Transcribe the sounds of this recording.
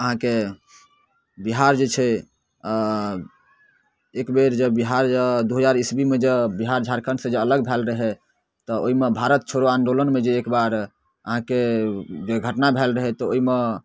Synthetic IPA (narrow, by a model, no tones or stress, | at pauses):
əɦãke | biɦaɾd͡ʒet͡ʃʰɛ | ekbeɾd͡ʒəbiɦaɾəd̪uɦəd͡ʒaɾisbimed͡ʒebiɦaɾd͡ʒʱaɾkʰənsẽd͡ʒeələɡ̚bʱɛlɾəɦɛ | t̪ɔoɦimebʱaɾət̪̚t͡ʃʰoɾoãnɖolənmed͡ʒeːkbaɾ | əɦãked͡ʒeɡʱəʈnabʱɛlɾəɦɛt̪ɔoɦime